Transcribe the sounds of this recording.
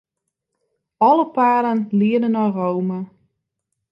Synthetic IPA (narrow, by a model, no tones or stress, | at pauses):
ɔləpaːɾənlɪədənɔrowmə